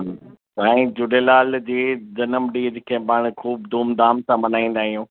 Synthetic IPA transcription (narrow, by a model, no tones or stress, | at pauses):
ãːĩd͡ʑʊɖelaːld͡ʑeːd͡ʑɐnəmɖiːd͡ʑɪkʰẽːbaːɽ̃kʰuːbd̪ʱuːmd̪aːmsãmɐnaːĩːn̆d̪aːɦijũː